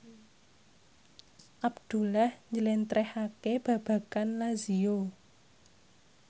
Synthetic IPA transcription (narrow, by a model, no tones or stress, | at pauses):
ʔabd̪̥ṳlahɲd͡ʒəlɛnt̪ɾɛhakeb̥ä̤b̥ä̤kanlazio